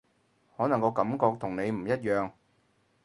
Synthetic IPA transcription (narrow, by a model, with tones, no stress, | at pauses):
hɔː˨˥nɐ˨˩ŋkɔː˨˧kɐ˨˥mkɔː˧k̚t̪ʰʊ˨˩ŋne˨˧jm̩˨˩jɐ˥t̚jœː˨˧ŋ